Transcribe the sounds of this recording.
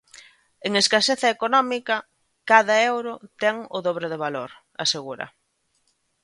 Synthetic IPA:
eŋeskaseθɐekonɔmikɐ | kaðɐewɾʊt̪ɛŋʊðoβ̞ɾɪðeβ̞aloɾ | a̰seɣuɾɐ̰

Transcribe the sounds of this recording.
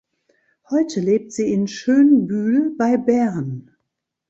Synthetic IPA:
hɔʏtʰəleːp̚tz̥iːɪnʃøːnbyːlbaɪbɛɐn

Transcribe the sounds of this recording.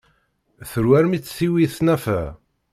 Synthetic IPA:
θəɾwæɾmit͡sːθiwiθnæfæ̰

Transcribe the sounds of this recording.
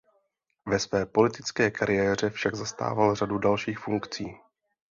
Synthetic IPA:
vɛsvɛːpo̞lɪt̪ɪt͡skɛːkaɾɪjɛːr̝ɛfʃaɡzast̪a̰ːvalradudalʃiːxfuŋkt͡siː

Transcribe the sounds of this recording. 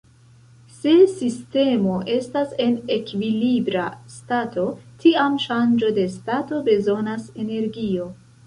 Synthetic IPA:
se̞siste̞mo̞ʔe̞stase̞ne̞kvilibɾastato̞tʰiamʃand͡ʒo̞de̞stato̞be̞zo̞nase̞ne̞ɾɡio̞

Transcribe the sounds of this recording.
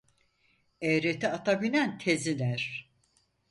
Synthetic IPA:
ɛjɾet̪ʰiat̪ʰabinænt̪ʰezilʲæɾ̥

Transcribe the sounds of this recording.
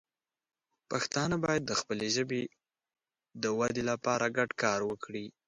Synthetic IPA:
paxt̪ɑnəbɑjad̪̚ːəxpəleʒəbe | d̪əwad̪elapɑɾaɡaɖkɑɾwəkɽi

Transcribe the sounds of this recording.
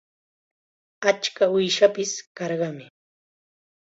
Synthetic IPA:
at͡ʃkaʊjʃapɪskɑɾɢɑmɪ

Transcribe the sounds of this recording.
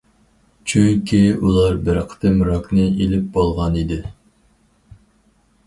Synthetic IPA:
t͡ʃʰyŋkʲʰiulˠɑɾbɪɾqʰə̥t̪ʰɨmɾɑknɨilɪp̚bolˠʁɑnid̪ɪ

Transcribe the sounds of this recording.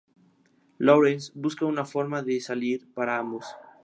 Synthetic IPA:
loɾensbuskaunafo̞ɾmaðesaliɾpaɾaambos

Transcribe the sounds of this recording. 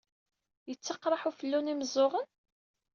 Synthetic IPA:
jət͡sːɑqɾˤɑħufəlːuniməzˤoʁən

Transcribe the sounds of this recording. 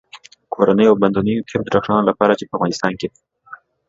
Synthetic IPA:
kʰoɾanəjoawband̪unijokʰemd̪ɾaxʂɑnolapɑɾat͡ʃepəavɣɑnɪst̪ɑnke

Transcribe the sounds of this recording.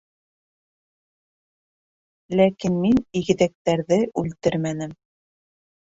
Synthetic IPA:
lækinminiɣɘ̆ðæk̚t̪æɾðɘʔʉlt̪ɘɾmænɘm

